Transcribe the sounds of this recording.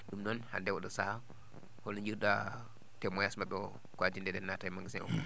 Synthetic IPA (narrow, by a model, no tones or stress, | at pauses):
ɗumnɔnha̰ndɛwɔɗɔsa | hɔlɔɲd͡ʒiɾɗa | tɛmɔjasmaɓɛ | kwadindɛdɛnːatajmaŋɡsɛ̰ʔɔ̰